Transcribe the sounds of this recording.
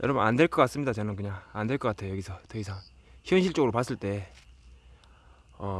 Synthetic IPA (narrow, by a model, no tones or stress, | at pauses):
jʌɾʌbunandweɭk͈ʌk͈ats͈ɯmɲidat͡ɕʌnɯnkɯɲaŋandwe̞ɭk͈ʌk͈atʰejojʌɡisʰʌtʌisʰaŋçjʌnɕʰiɭt͡ɕ͈oɡɯɾopas͈ɯɭt͈e̞ | ʌ